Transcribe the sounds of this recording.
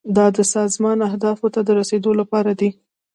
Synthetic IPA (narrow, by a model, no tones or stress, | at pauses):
d̪ɑd̪əsɑzmɑnahd̪ɑfot̪ad̪əɾased̪olapɑɾad̪i